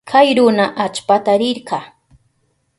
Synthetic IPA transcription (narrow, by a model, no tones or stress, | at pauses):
kʰajɾʊnaʔat͡ʃpat̪aɾɪɾɢɑ